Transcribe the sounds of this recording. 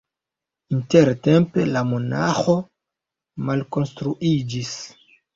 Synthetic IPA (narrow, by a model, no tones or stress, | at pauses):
inteɾte̞mpe̞lamo̞naxo | malko̞nstɾuʔid͡ʒis